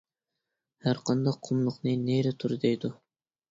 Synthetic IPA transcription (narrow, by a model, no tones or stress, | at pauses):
hæɾqɑnd̪ɑqʰːŏmlˠʊ̆qnɤneɾɘt̪ʰʊɾd̪æjd̪ʊ